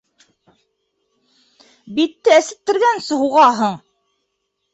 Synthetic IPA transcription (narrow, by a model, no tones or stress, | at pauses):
bit̪ːɘæsɘ̆p̚t̪ːɘ̆ɾɡænsɘ̆ɦuʁɑɦɤɴ